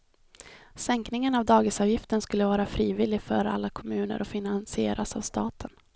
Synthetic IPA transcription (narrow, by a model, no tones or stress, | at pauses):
sɛŋknɪŋənavd̪ɑːɡɪsɑvjɪft̪ənskɵlːəvɑːɾafɾiːvɪlɪɡfœɾa̰lːakʰɔmʉ̟ːnə̰ɾɔfɪnansɪḛːɾʔasavst̪ɑ̰ːt̪ʰən